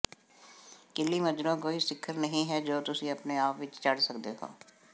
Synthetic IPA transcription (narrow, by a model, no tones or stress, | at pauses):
kɪlːimɐd͡ʒɾõkoːisɪkʰːəɾnɐɦĩɦɛd͡ʒoːt̪ʊsĩɐpneaːpʋɪt͡ʃt͡ʃɐɽsɐkd̪eɦo̰ː